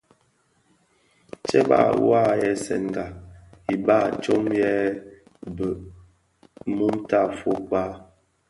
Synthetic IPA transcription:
t͡ʃɛ˦ba̰˦˨wa˦jɛ˨sɛ̰˨nɡa˨i˨ba˦˨t͡ʃo˦mjɛ˦ | bə˨ʔ | mu˦mta˦˨fo˦k͡pa˦

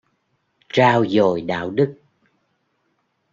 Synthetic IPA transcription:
t͡ɕaː˧wzo˨˩jɗa̰ː˧˨wɗɨ˦˥k̚

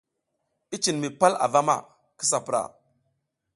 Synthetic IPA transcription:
i˦t͡ʃi˨nmi˨pa˦la̰˨va˦ma̰˨ | ki˦s̬a˨pɾa̰˨

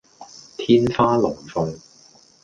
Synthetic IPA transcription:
t̪ʰiː˥nfaː˥lʊ˨˩ŋfʊ˧ŋ

